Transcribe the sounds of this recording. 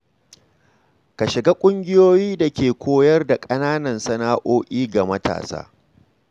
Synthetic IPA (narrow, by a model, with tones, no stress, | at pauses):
ka˨ʃɪ˨ɡa˦kʷʼʊ˦ŋɡʲɪ˦joː˦jiː˦da˨kʲeː˨kʷoː˦jɐ˦rda˨kʼɐ˦naː˦nɐ˨nsɐ˦naː˦ʔoː˦ʔʲʼiː˦ɡa˨mɐ˦ta̰ː˨sa̰ː˦